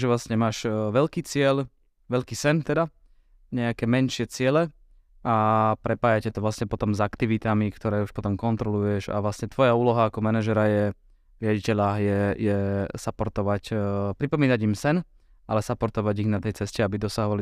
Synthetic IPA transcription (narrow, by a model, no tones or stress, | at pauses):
ʒɛʋlasɲɛmaːʃʋɛʎkiːt͡sɪɛʎ | ʋɛʎkiːsɛnt̪ɛd̪a | ɲɛakɛːmɛnʃɪɛt͡sɪɛlɛ | apɾɛpaːjacɛt̪ɔʋlasɲɛpɔt̪ɔmzakt̪iʋit̪amikt̪ɔɾɛːuʃpɔt̪ɔmkɔnt̪ɾɔlujɛʒa̰ʋlasɲɛt̪ʋɔjauːlɔɦaːkɔmɛnaʒɛɾajɛ | ɾɪaɟicɛʎajɛjɛsapɔɾt̪ɔʋacpɾipɔmiːnaɟimsɛn | ʔalɛsapɔɾt̪ɔʋaɟiɣnat̪ɛjt͡sɛscɛabid̪ɔsaɦɔʋali